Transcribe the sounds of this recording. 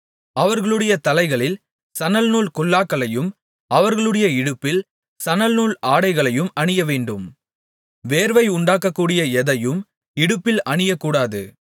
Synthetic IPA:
ɐʋɐɾɣɐɭɯɽɐjɐt̪ɐlɐɪɣɐɭɪl | sɐnɐlnuːlkɔɭːaːkːɐɭɐjɯm | ʔɐʋɐɾɣɐɭɯɽɐjɐɪɽɯpːɪl | sɐnɐlnuːlaːɽɐɪɣɐɭɐjɯmɐɳɪjɐʋeːɳɖɯm | ʋeːɾʋɐɪʊɳɖaːkːɐkːuːɽɪjɐɛðɐjɯm | ɪɽɯpːɪlɐɳɪjɐkːuːɽaːðɯ̰

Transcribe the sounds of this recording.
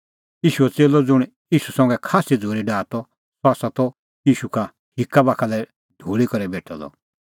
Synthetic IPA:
iːʃuɛt͡seːlɔd͡zʊɽ̃ | iːʃusɔ̃ŋɡɛkʰaːsid͡zʱoːɾiɖaːt̪ɔ | saːsat̪ɔ | iːʃuka | hikːabakʰalɛ | d̪ʱuːɭikɔɾɛbeːʈʰɔlɔ̰

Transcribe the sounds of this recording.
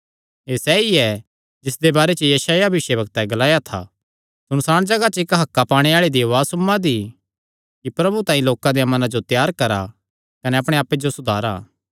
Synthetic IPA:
eːsɛːiɛ | d͡ʒɪsd̪ebaːɾɛt͡ʃəjɐʃaːjabbɪʃebɐkt̪ɛɡɐlaːjat̪ʰa̰ː | sʊnsaːɽ̃d͡ʒɐɡat͡ʃɪkɦɐkːapaːɽ̃eaːɭid̪iʋaːsʊmːãd̪i | kipɾɐbut̪ãːĩloːkãd̪ejamɐnãd͡ʒot̪jaːɾkɐɾa | kɐnɛɐpɽ̃eaːpːed͡ʒosʊd̪ʱaːɾaː

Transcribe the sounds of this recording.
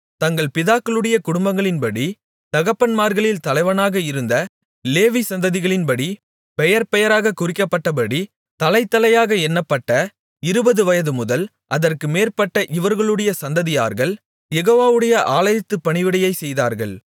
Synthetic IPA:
t̪ɐŋɡɐɭpɪðaːkːɐɭɯɽɐjɐkʊɽʊmbɐŋɡɐɭɪnpɐɽi | t̪ɐɣɐpːɐnmaːɾɣɐɭɪlt̪ɐlɐɪʋɐnaːɣɐɪɾɯnd̪ɐ | leːʋisɐnd̪ɐðɪɣɐɭɪnpɐɽi | pɛjɐɾpɛjɐɾaːɣɐkʊrɪkːɐpːɐʈːɐp̬ɐɽi | t̪ɐlɐɪt̪ːɐlɐjaːɣɐɛnːɐpːɐʈːɐ | ɪɾɯbɐðɯʋɐjɐðɯmʊðɐl | ʔɐðɐrkɯmeːrpɐʈːɐʔɪʋɐɾɣɐɭɯɽɐjɐsɐnd̪ɐðɪja̰ːɾɣɐɭ | jɛɣoːʋaːʋɯɽɐjɐʔaːlɐjɪt̪ːɯpːɐɳɪʋɪɽɐjɐɪsɛjða̰ːɾɣɐ̰ɭ

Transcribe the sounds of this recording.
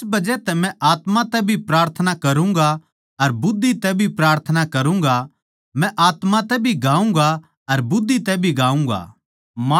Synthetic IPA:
bɐd͡ʒɛt̪ɛmɛ̃ʔaːt̪mãt̪ɛbʱipɾaːɾt̪ʰənakɐɾũŋɡa | ɐɾbʊd̪ʱːit̪ɛbʱipɾaːɾt̪ʰənakɐɾũŋ̆ɡa | mɛ̃ʔaːt̪mãt̪ɛbʱiɡãːũŋ̆ɡa | ɐɾbʊd̪ʱːit̪ɛbʱiɡaːũŋ̆ɡa̰ː | m

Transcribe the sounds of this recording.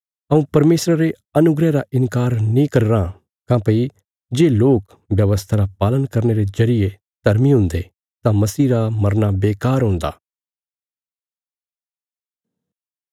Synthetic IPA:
ɐũpɐɾmeːsɾaɾe | ɐnʊɡɾɛɾaʔɪnkaːɾnĩkɐɾɾã | kãːpɐi | d͡ʒeːloːk | ʋjɐʋəst̪ʰaɾapaːlənkɐɾneɾezɐɾɪje | d̪̥ʱɐɾmiɦʊ̃ːnd̪e | t̪ãmɐsiːɾamɐɾnabeːkaːɾɦʊ̃nd̪a̰ː

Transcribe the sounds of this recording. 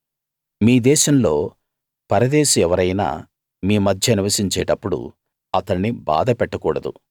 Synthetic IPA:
miːd̪ɛːʃɐmlo̞ː | pɐɾɐd̪eːʃuɛʋɐɾɐjna̰ː | miːmɐd̪ʱjɐniʋɐsiɲt͡ʃɛːʈɐpːuɽṵ | ɐt̪ɐɳniba̰ːd̪ɐpɛʈːɐkuːɽɐd̪ṵ

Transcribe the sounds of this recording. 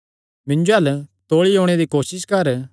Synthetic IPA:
mɪ̃ɲd͡ʒoɦɐlt̪oːɭioːɽ̃ed̪ikoːsɪskɐɾ

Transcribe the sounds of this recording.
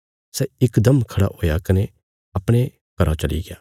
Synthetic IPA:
sɛɪkd̪ɐmkʰɐɽa̰ɦoːjakɐne | ɐpɽ̃e | kɐɾat͡ʃɐlḭɡɪjaː

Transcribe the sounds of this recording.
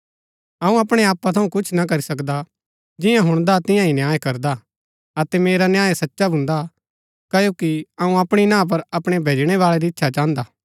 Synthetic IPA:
ɐũɐpɽ̃eaːpːat̪ʰɐũkʊt͡ʃʰnakɐɾisɐkd̪a | d͡ʒɪjãɦʊ̃ɽ̃d̪at̪ɪ̃jãinjaːekɐɾd̪a | ɐt̪ɛmeːɾanjaːesɐtːʃabʱʊ̃nd̪a | kɐjoːkiɐũɐpɽ̃inãːp̬ɐɾɐpɽ̃ebʱeːd͡ʒɽ̃eβaːɭeɾiɪtːʃʰat͡ʃãːnd̪aː

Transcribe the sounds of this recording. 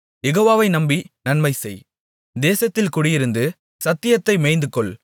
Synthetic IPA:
jɛɣoːʋaːʋɐɪnɐmbinɐnmɐɪsɛj | d̪eːsɐt̪ːɪlkʊɽɪjɪɾɯnd̪ɯ | sɐt̪ːɪjɐt̪ːɐɪmɛɪnd̪ɯkːɔɭ

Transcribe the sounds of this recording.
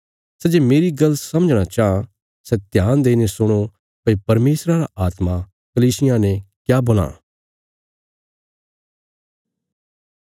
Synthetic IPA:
sɛd͡ʒeːmeːɾiɡɐlːsɐməd͡ʒɽ̃at͡ʃaːã | sɛt̪jaːnd̪eːnesʊɽ̃o | pɐipɐɾmeːsɾaɾaʔaːt̪ma | kɐliːsɪjãnɛ̃kjaːbɐl̃ã̰ː

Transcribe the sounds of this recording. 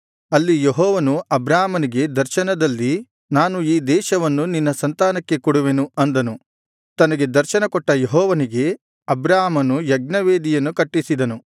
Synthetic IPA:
ɐlːijeɦɔːʋɐnuɐbɾaːmɐniɡe̞d̪ɐɾʃɐnɐd̪ɐlːi | naːnuiːd̪ɛːʃɐʋɐnːuninːɐsɐnt̪aːnɐkːe̞kuɽuʋe̞nuɐnd̪ɐnu | t̪ɐnɐɡe̞d̪ɐɾʃɐnɐkɔʈːɐjɔɦɔːʋɐniɡe̞ | ɐbɾaːmɐnujɐɡ̚nɐʋeːd̪ijɐnːukɐʈːisid̪ɐnu

